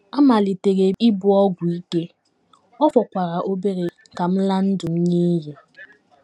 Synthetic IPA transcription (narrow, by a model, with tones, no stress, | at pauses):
a˦ma˨li˨te˨ɣe˨i˦bʊ˨ɔ˦ɡʷʊ˨i˦ke˦ | ɔ˦fɔ˨kʷa˨ɾa˨ʔo˦be˦ɾe˨ | ka˨m̩˦la˦n̩˦dʊ˨m̩˦ɲe˦ɦe˨